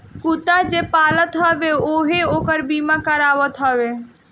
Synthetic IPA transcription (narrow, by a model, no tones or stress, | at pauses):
kut̪ad͡ʒepaːlət̪ɦəbeoɦeoːkəɾbimakəɾaːʋət̪ɦəʋe